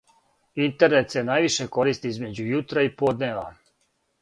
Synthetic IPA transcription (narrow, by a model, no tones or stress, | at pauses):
int̪eɾnet̪sjenajʋiʃeko̞ɾist̪iizme̞d͡ʑujut̪ɾaipod̪neːʋa̰